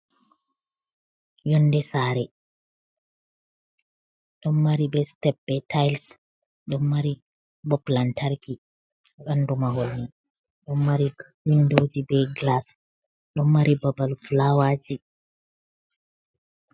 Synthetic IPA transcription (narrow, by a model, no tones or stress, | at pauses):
jɔnːdɛsaɾɛ | ɗɔnmaɾibɛstɛbːɛtajls | ɗɔnːaɾi | bɔplantʰaɾki | ɓandumaɦolni | ɗɔmːaɾi | windod͡ʒibɛɡlas | ɗɔmːaɾibabalflawad͡ʒi